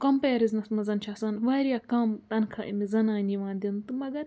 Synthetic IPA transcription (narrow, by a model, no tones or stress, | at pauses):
kɐmpɐjɐɾiznɐsmɐzɐnt͡ʃʰaːsɐnʋaːɾijaːkɐmt̪ɐnkʰɐʔḭmizɐnaːnʲiʋãːnd̪ʲint̪ɨmɐɡɐɾ